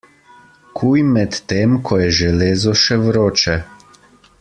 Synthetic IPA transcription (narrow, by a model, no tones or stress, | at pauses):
kʰujmɛt̪ːeːmkʰɔjɛʒɛleːzɔʃɛʋɾoːt͡ʃɛ